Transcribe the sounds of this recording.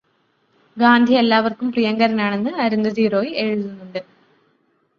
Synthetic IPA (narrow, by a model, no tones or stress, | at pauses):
ɡaːnd̪ʱije̞lːaːʋɐrkumprijɐŋɡɐɾɐnaːɳe̞nːɨɐɾund̪ʱɐdiːro̞ːje̞ɻuðunːuɳɖɨ